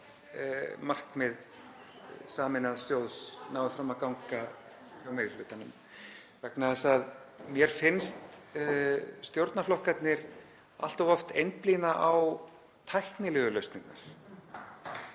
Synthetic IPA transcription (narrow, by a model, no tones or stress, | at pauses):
mar̥kmɪð | saːmɪnaðst̪joːwðsnaːwvɪfɾamaðkawŋka | awmejɾɪlʏːt̪anʏm | vɛknaðɛsaðmjɛɾ̥fɪnst̪ | st̪jowɾt̪naflɔhkat̪nɪɾ | a̰l̥t̪ɔvɔft̪ejnplinaʔaw | t̪ʰajhknɪlʏːɣʏlœɥst̪niŋkna̰ɾ̥